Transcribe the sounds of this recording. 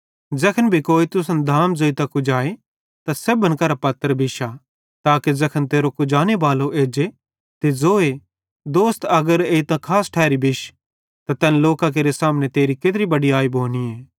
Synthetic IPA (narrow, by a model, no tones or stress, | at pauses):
d͡ʒɐkʰənbʱikoːit̪ʊsənd̪ʱaːmzoːit̪ãkʊd͡ʒaːe | t̪asebənkɐɾapɐt̪ːəɾbʱɪʃa | t̪aːkezɐkʰənt̪eːɾokʊd͡ʒaːneʋaːloʔeːd͡ʒe | t̪ezoːe | d̪oːst̪ɐɡəɾeːit̪ãkʰaːsʈʰɛːɾibʱɪʃ | t̪at̪ɛːnloːkak̬eːɾesaːmnet̪eːɾiket̪ɾibɐɽiaːibʱoːnieː